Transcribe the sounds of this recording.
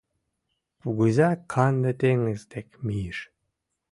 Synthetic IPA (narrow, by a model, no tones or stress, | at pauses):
puɣuzɑkʰɑnd̪et̪eŋezt̪ekmijiʃ